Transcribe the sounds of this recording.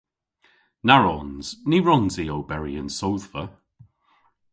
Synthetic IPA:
naɹɔnz̥niɹɔnziːowbɛɹiənsowðvə

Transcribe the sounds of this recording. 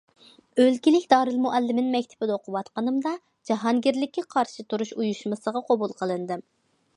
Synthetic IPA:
ølkʲilɪkʲd̪ɑːɾɨlˠmuʔɛlːɪmɪnmɛkʲt̪ʰɪ̥bɪd̪ɛoqʰʊwɑt̪qənɨmd̪ɑ | d͡ʒɑɦɑŋɡʲiɾlɪkʲːɛqʰɑɾʃɨt̪ʰuɾuʃujuʃmɨsəʁɑqʰobulˠqʰəlˠɨnɨd̪ɨm

